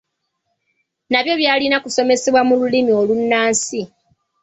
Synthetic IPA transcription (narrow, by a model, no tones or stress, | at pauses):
naβjo̞βjaːlinakuso̞me̞se̞βwamululimio̞lunːaːnsi